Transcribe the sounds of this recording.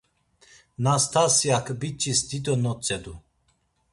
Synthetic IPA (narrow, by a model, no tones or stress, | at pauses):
nast̪ʰasjakʰbit͡ʃʼisd̪id̪ɔnɔt͡sʼɛd̪u